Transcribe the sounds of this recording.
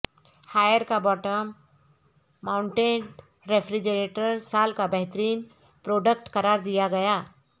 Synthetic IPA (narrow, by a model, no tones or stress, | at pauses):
haːjəɾkabɔːʈəm | ãːʊɳʈẽːn | ɾepʰɾid͡ʒəɾeːʈəɾsaːlkabəɦt̪əɾiːn | pɾoːɖək̚ʈkɐɾaːɾd̪ijaɡɐjaː